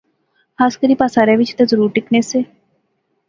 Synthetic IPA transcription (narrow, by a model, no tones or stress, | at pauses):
haːskəɾiːpaːsaːɾɛ̃ːʋɪt͡ʃt̪ɛzəɾuːɾʈɪkneːseː